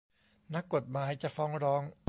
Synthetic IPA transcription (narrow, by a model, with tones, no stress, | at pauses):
na˦˥kːo˨˩t̪̚maː˩˦jt͡ɕa˨˩fɔː˦˥ŋɾɔː˦˥ŋ